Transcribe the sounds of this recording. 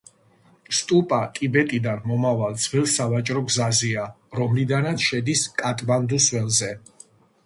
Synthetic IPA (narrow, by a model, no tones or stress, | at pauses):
st̪ʼupʼat̪ʼibɛt̪ʼid̪anmɔmavald̪zʰvɛlˠsavat͡ʃʼɾɔɡzazia | ɾɔmlid̪anat̪sʰʃɛd̪iskʼat̪ʼband̪usvɛlzɛ